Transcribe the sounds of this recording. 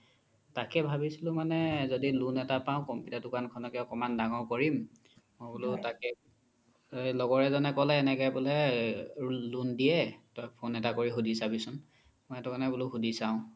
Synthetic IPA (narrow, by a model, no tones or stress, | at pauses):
takɛbʱabisilʊ̃manɛzodilunɛtapaʊ̃kɔmpjutadukankʰɔnɔkɛɔkɔmandaŋɔkɔɹim | mɔbulʊtakɛ | lɔɡɔɹɛzɔnɛkɔlɛːnɛkɛbɔlɛ | lundijɛtɔjpʰonɛtakoɹixudisabisʊn | mɔjɛtʊkanɛbulʊxudisaʊ̃